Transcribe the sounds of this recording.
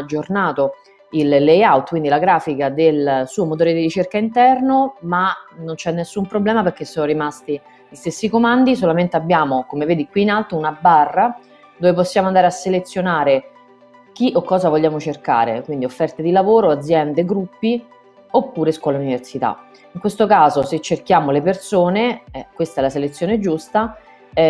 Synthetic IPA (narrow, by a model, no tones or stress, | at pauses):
ad͡ʒːornaːt̪o | ilːejawt̪kwind̪ilaɡɾaːfikad̪elsuːomot̪oːɾed̪irit͡ʃerkaint̪ɛrnomanont͡ʃɛnːesːumpɾoblɛːmaperkːesːoːnoɾimast̪i | ʎist̪esːikomand̪is̬olament̪eabːjaːmokomeveːd̪ikwiːnalt̪ounabarːa | d̪oːvep̬osːjaːmoand̪aɾeasːelet̪sːjonaːɾe | k̟iʔokːɔːzavoʎːaːmot͡ʃerka̰ːɾḛkwind̪iofːɛrt̪ed̪ilavoːɾoad̪zːjɛnd̪eɡɾupːi | opːuːɾeskwɔːlauniversit̪a̰ | iŋkwest̪okaːzoset͡ʃːerkjaːmolepersoːneɛkwest̪aɛlaselet̪sːjoːned͡ʒust̪a